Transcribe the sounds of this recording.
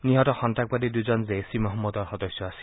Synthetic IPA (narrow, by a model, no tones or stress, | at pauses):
niɦɔtɔxɔntak̚badiduzɔnzesimɔɦɔmːɔdɔɹxɔdɔjsːɔasil